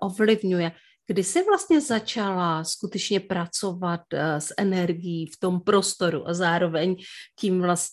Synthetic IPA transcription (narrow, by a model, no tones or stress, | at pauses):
ʔo̞vlɪvɲujɛ | ɡ̥dɪsɪvlast̪ɲɛzat͡ʃalaskut̪ɛt͡ʃɲɛpɾat͡so̞vat̪sʔɛnɛɾɡɪjiːft̪o̞mpɾo̞st̪o̞ɾṵʔazaːɾo̞vɛɲcimvlas